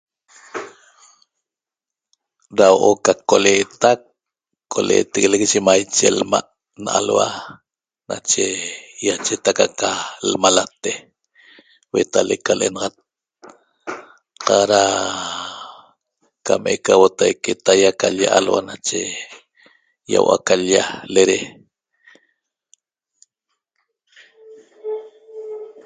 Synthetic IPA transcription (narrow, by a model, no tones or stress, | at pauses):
ɾawʔokakoleːt̪akʰː | olḛːt̪eɣelekʒemajt͡ʃelma̰ʔ | naʔa̰lwa̰ | nat͡ʃejat͡ʃet̪akakalmalat̪e | wet̪alekːalʔenɑʁɑt̪̚ | qɑɾa | kamʔekawot̪ajket̪ajakaʎjaʔalwanat͡ʃḛ | ja̰wʔa̰kaʎjaleɾe